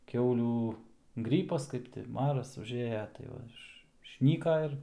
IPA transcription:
ˈkʲɛʊlʲuː ˈɡrʲiːpɐs ˈkɐɪp tʲɪ ˈmɑːrɐs ʊʒʲˈeːjɛ tɐɪ ˈʋɐ ˈɪʃ ɪʃʲˈnʲiːkɐ ɪr

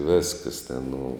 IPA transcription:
ˈʋʲɪskəs tʲɛn nʊ

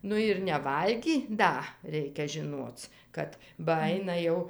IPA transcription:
ˈnʊ ɪr nʲɛˈʋɐlʲɡʲiː ˈdɐ ˈrʲɛɪkʲɛ ʒʲɪˈnuɔt͡s ˈkɐt bɐ ˈɐɪnɐ jɛʊ

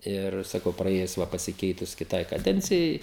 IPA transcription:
ˈɪr sɐˈkɐʊ prɐˈeːjʊs ˈʋɐ pɐsʲɪˈkʲɛɪtʊs kʲɪˈtɐɪ kɐˈdʲɛnʲt͡sʲɪjɛɪ

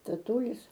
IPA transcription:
tɐˈtuːlʲɪs

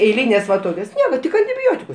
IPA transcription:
ɛɪˈlʲiːnʲeːs ʋɐ ˈtoːkʲoːs ˈnʲiɛkɐ tʲɪk ɐnʲtʲɪˈbʲoːtʲɪkʊs

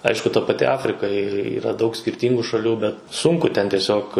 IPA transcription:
ˈɐɪʃkʊ tɐ pɐˈtʲɪ ˈɑːfʲrʲɪkɐ iːˈrɐ ˈdɐʊk sʲkʲɪrʲˈtʲiːŋɡʊ ʃɐˈlʲuː bʲɛt ˈsʊŋkʊ tʲɛn tʲiɛˈsʲoːk

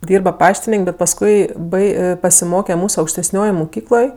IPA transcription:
ˈdʲiːrbɐ ˈpɑːʃʲtʲɪnʲeːŋʲkʲ bʲɛt pɐsˈkʊɪ ˈbɐɪ pɐsʲɪˈmoːkʲɛ ˈmuːs ɐʊkʃʲtʲɛˈsʲnʲoːjoːj mʊˈkʲiːklˠoːj

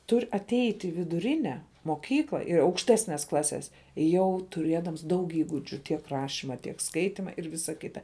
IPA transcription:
ˈtʊrʲ ɐtʲˈɛɪtʲ ɪ ʋʲɪdʊˈrʲɪnʲɛ moːˈkʲiːklˠɐ ɪr ɐʊkʃʲˈtʲæːsʲnʲɛs ˈklˠɑːsʲɛs ˈjɛʊ tʊˈrʲeːdɐms ˈdɐʊk ˈiːɡʊd͡ʒʲʊ tʲiɛk ˈrɑːʃʲɪmɐ tʲiɛk ˈskɐɪtʲɪmɐ ɪr ˈʋʲɪsɐ ˈkʲɪtɐ

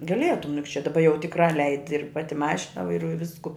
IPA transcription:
ɡɐˈlʲiɛtʊm jʊk t͡ʃʲɛ dɐˈbɐ jɛʊ tʲɪkˈrɑː ˈlʲɛɪdʲɪ ɪr ˈpɑːtʲɪ ˈmɑːʃʲɪnɐ ʋɐɪˈruɔjʊ ˈʋʲɪskʊ

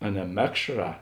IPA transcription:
ɐ nʲɛ ˈmʲæːkʃˌrɑː

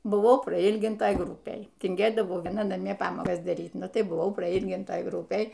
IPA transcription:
bʊˈʋɐʊ prɐˈiːlʲɡʲɪntɐj ˈɡrʊpʲeːj tʲɪŋʲˈɡʲeːdɐʋɐʊ ˈʋʲiɛnɐ nɐˈmʲiɛ ˈpɑːmoːkɐs dɐˈrʲiːt ˈnʊ ˈtɐɪ bʊˈʋɐʊ prɐˈiːlʲɡʲɪntɐj ˈɡrʊpʲeːj

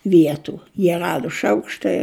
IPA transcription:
ˈʋʲiɛtʊ jiɛ ˈrɑːdʊ ˈʃɐʊkʃtɐɪ

